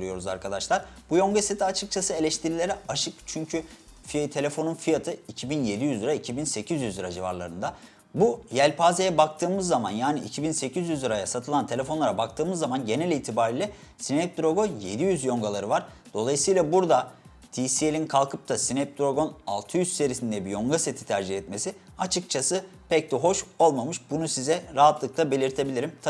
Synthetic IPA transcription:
ɾɯjo̞ɾuza̰ɾkʰad̪aʃlˠaɾbujo̞ŋɡaset̪ʰiat͡ʃʰɯk̚t͡ʃʰasɯe̞lʲɛʃt̪ʰiɾilʲe̞ɾɛaʃɯkt͡ʃʰyɲcʰy | fit̪ʰe̞lʲe̞fo̞nunfijat̪ʰɯicʰibinje̞d̪ijyzlɯɾaicʰibinse̞cʰizjyziɾaʒiva̰ɾlˠa̰ɾɯnd̪a | bujælʲpʰaːzejɛbak̚t̪ʰɯːmɯzːamanjaːniḭcʰibinse̞cʰizjyzliɾajasat̪ʰɯlˠant̪ʰe̞lʲe̞fo̞nlˠaɾabak̚t̪ʰɯːmɯzːamanɟe̞nɛlʲiːt̪ʰibaːɾiːlʲɛ | sinɛp̚d̪ɾo̞ɡonje̞̰d̪ijyzjo̞ŋɡalˠaɾɯvaɾ̥ | d̪̥o̞lˠajɯsɯjlˠabuɾd̪a | t̪ʰiːsielʲinkʰalˠkʰɯp̚t̪ʰasinɛp̚d̪ɾo̞ɡo̞na̰lˠt̪ʰɯjyzse̞ɾisind̪ɛbijo̞ŋɡase̞t̪ʰi̥t̪ʰæɾd͡ʒihɛt̪me̞si | at͡ʃʰɯk̚t͡ʃʰasɯpʰɛc̚t̪ɛɦo̞ʃo̞lˠmamɯʃbunusizɛɾaɦat̪lˠɯklˠabe̞lʲiɾt̪ʰe̞bilʲiɾimt̪ʰ

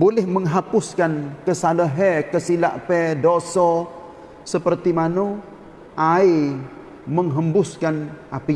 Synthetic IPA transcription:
bolɛhməŋɦapʊskankəsaləɦɛkəsilaʔpɛdosɔ | səpərt̪imano | ʔai | məŋɦəmbʊskanapi

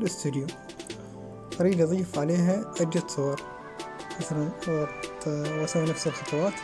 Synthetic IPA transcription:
lʔɪst̪ud̪ɪju | ʔɑɾiːd̪ʔɑðˤiːfʕaleːɦaʔad͡ʒd͡ʒat̪sˤʊwɑɾˤ | maθalan | wasawanafsɪlxɑt̪ˤɑwɑːt̪

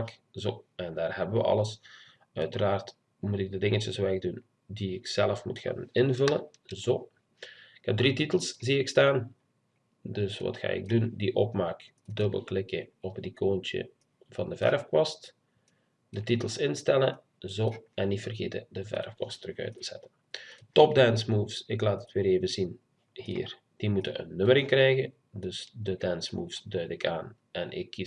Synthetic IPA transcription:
kzoːɛndaːrhɛbəʋə̰ʔɑ̰ləs | œɥtəraːrt | mutɪɡ̚dədɪŋət͡ʃəswɛɣdun | diɪksɛləfmutxa̰ːnɪnvɵlə | zoː | ɪkhɛb̚drititəlˠsziɪkstaːn | dɵsʋɑ̰txa̰ːɪ̰ɡ̚dundiʔɔpmaːk | dɵbə̰lˠklɪkəɔpdikʰoːntə̰ | v̥ɑndəvɛ̰rfkwɑst | dətitəlˠsɪnstɛlə | zoːɛnːitfərɣeːtədəvɛ̰rfkwɑstrəxœ̰ɥtəz̥ɛ̰tən | tɔp̚dɛnsmuːfsɪklaːtətʋeːɾeːvəzin | hḭːr | d̥imutəə̰nːɵməɾɪŋkrɛjɣə | dɵsdədɛnsmuːfsdœɥdɪkʰaːn | ɛnɪ̰kːi

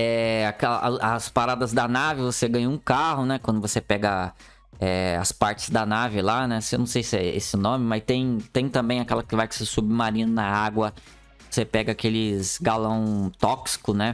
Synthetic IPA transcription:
ɛakɛlɐspaɾad̪ɐzd̪ɐnavɪvoseɡɐ̃ɲɐũkaɦʊnɛkwɐ̃d̪ʊvosepɛɡɐ | ɛɐ̰spaɾt͡ʃɪ̥zd̪ɐnavɪlanɛsenɐ̃w̃sejsɪɛ̰ḛsɪnõmɪmɐst̪ẽj̃t̪ẽj̃t̪ɐ̃mbẽj̃akɛlɐkɪvajkɪ̥sesubɪmaɾĩnʊnɐaɡwɐ | osepɛɡɐakelɪzɡalɐ̃w̃t̪ɔksi̥kʊnɛ

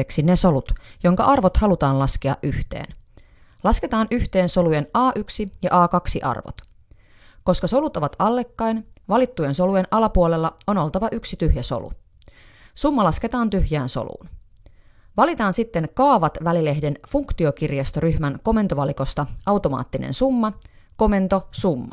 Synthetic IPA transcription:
eksineso̞lut̪jo̞ŋkɑʔɑrʋot̪hɑlut̪ɑːnlɑskeɑ̰ʔyht̪e̞̰ːn | lɑske̞t̪ɑːnʔyht̪e̞ːnso̞luje̞nɑːʔyksijɑʔɑːkɑksiʔɑ̰rʋo̰t̪ | ko̞skɑso̞lut̪o̞ʋɑt̪ɑlːe̞kːɑjnʋɑlit̪ːujenso̞luje̞nʔɑlɑpuole̞lːɑo̞no̞lt̪ɑʋɑʔyksit̪yhjæso̰lṵ | sumːɑlɑske̞t̪ɑːnt̪yhjæːnso̰lṵːn | ʋɑlit̪ɑːnsit̪ːe̞ŋkɑːʋɑt̪ʋælile̞hde̞nfuŋkt̪io̞kirjɑst̪oɾyhmæŋko̞me̞nt̪o̞ʋɑliko̞st̪ɑɑwt̪o̞mɑ̰ːt̪ːinḛnsumːɑ | ko̞me̞nt̪o̞sumːɑ̰

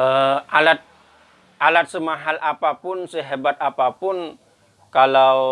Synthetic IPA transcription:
əalat̪̚ | alat̪̚səmaɦalʔapapʊnsəɦebat̪̚apapʊn | kalaw

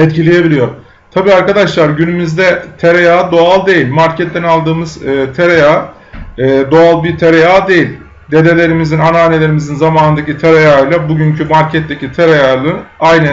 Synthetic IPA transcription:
ɛt̪cʰilʲeje̞bilʲijo̞ɾ | t̪ʰabiːaɾkad̪aʃlˠaɾɟynymyzd̪ɛt̪ʰeɾejaːd̪o̞alˠd̪e̞jilʲmaɾcʰɛt̪̚ːd̪ɛnalˠd̪ɯːmɯz̥ɯːt̪ʰeɾejaː | d̪o̞alˠbiɾt̪ʰeɾejaːd̪e̞jilʲ | d̪e̞d̪elʲe̞ɾimizinanaːnelʲe̞ɾimizinzamaːnɯnd̪acit̪ʰeɾejajlˠabuɟyɲcʰymaɾcʰɛt̪ːe̞cʰit̪ʰeɾejalˠɯajnɯ

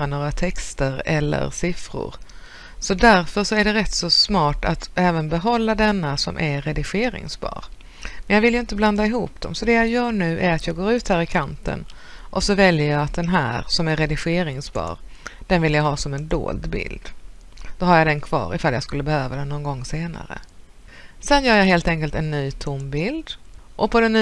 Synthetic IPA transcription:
anoːɾat̪ʰɛkst̪əɾɛlːə̰ɾsɪfɾʊ̰ɾ | sɔd̪æɾfœʂɔæɖɛɾɛt̪ːsɔsmɑːʈat̪ɛːvənbɛɦɔlːad̪ɛnːasɔ̰mʔæɾɛd̪ɪɧeːɾɪ̰ŋsbɑ̰ːɾ | mɛnjɑːɡvɪljɵɪnt̪əbland̪aɪɦuːp̚d̪̥ɔ̰msɔd̪ɛjajœːɳʉ̟ːʔæɾat̪jɑːɡoːɾʉ̟ːt̪hæːɾɪkʰant̪ə̰n | ʔɔsɔvɛljəɾjɑat̪̚d̪ɛnɦæːɾsɔmæɾːɛd̪ɪɧeːɾɪŋsbɑ̰ːɾd̪̥ɛnvɪlːəjaɦɑːsɔmɛnd̪o̰ːld̪bɪ̰ld̪ | d̪̥ɔhaɾjad̪ɛnkʰv̥ɑ̰ːɾɪ̰falja̰skɵlːəbɛhøːvad̪ɛnɔnɡɔŋːseːna̰ɾə̰ | sɛnjœːɾjaɦeːlt̪ɛŋkəlt̪ɛnːyːt̪ʰʊmbɪld̪ʔɔpʰɔd̪ɛnː

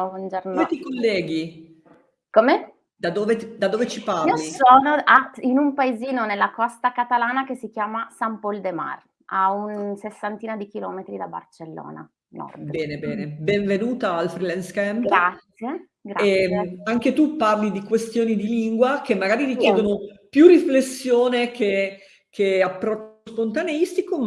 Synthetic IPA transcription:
bwond͡ʒornomet̪ikolːɛːɡi | kome | d̪ad̪oːved̪ad̪oːvet͡ʃipaioisoːnoʔainumpaeziːnonelːakɔst̪akat̪alaːnak̟esːik̟jaːmasampold̪ema̰r | aunsesːant̪iːnad̪ikilɔ̰ːmet̪ɾid̪aba̰rt͡ʃelːo̰ːna̰ | nɔ̰rd̪bɛːnebɛːnebeɱvenuːt̪aːlfɾilɛnskɛmɡɾat̪sje | ɡɾaeaŋket̪upːarlid̪ikwest̪joːnid̪iliŋɡwak̟emːaɡaːɾiɾik̟jɛːd̪onopjurːiflesːjoːnekʰe | kʰeapːɾɔt͡ʃːspont̪aneist̪ikom

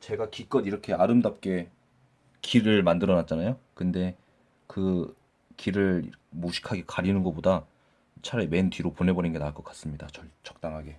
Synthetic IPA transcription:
t͡ɕe̞ɡakik͈ʌniɾʌkʰe̞aɾɯmdap̚k͈e̞ | kiɾɯɭmandɯɾʌnat̚t͡ɕ͈anajokɯnde̞ | kɯ | kiɾɯɭmoɕʰi̥kʰaɡe̞kaɾinɯnɡʌboda | t͡ɕʰaɾeme̞ntɥiɾoponɦe̞bʌninɡe̞naɭk͈ʌk͈ḁs͈ɯmɲidat͡ɕʌɭt͡ɕʌk̚t͈aŋɦaɡe̞

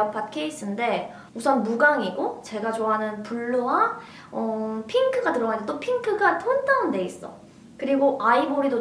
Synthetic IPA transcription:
ap͈atkʰeis͈ʰɯnde̞ | musʰʌnmuɡaŋiɡot͡ɕe̞ɡat͡ɕoɦanɯnpuɭːowa | ʌpʰiŋkʰɯɡatɯɾʌnandet͈opʰiŋkʰɯɡatʰontʰaonde̞is͈ʌ̰ | kɯɾiɡoʔaibʌɾido

